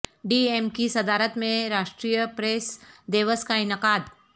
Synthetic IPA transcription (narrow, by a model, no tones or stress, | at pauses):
ɖiemkisɐd̪aːɾət̪mẽɾaːʃʈɾiːjəpɾesd̪eːʋəskaɪnɪqaːd̪